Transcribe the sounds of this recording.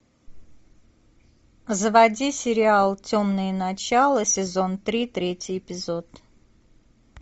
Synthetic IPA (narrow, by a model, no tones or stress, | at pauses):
zəvɐdʲisʲɪɾʲɪalˠt͡sʲomnɨjənɐt͡ɕalˠəsʲɪzo̞nt̪ɾʲit̪ɾʲetʲɪjɪpʲɪzot̪